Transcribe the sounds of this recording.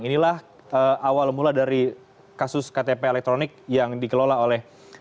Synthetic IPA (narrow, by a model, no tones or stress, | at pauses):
ŋinilah | əawalmuladaɾi | kasʊskat̪epeːlɛk̚t̪ɾonɪk̚jaŋdikəlolaolɛh